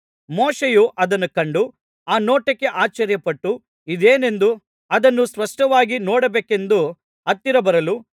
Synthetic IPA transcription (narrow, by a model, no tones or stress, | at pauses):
mɔːʂejuʔɐd̪ɐnːukɐɳɖu | aːnoːʈɐkːe̞ʔaːt͡ʃɐɾjɐpɐʈːu | id̪eːne̞nd̪u | ɐd̪ɐnːuspɐʂʈɐʋaːɡinɔːɽɐbeːke̞nd̪u | ɐt̪ːiɾɐbɐɾɐlu